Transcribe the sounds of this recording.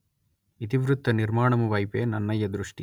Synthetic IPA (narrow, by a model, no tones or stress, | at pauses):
it̪iʋɾut̪ːɐniɾmaːɳɐmuʋɐjpeːnɐnːɐjːɐd̪ɾuʂʈi